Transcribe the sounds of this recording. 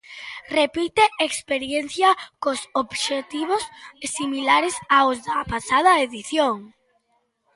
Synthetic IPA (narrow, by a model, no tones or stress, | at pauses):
repit̪eʔekspeɾjenθjɐkosobʃet̪iβ̞ossimilaɾesaozðɐpasað̞ɐeðiθjoŋ